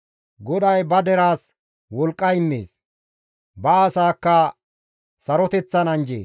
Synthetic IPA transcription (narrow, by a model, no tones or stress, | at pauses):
ɡɔd̪ɐjbɐd̪ɛɾaːs | wɔlkʼːɐɪmːḛːs | bɐɐsaːkːɐ | sɐɾɔt̪ɛt͡sːɐnɐnd͡ʒḛː